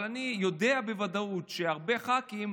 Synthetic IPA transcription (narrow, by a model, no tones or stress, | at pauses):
lanijo̞d̪eabevad̪autʃeaʁbe̞χakim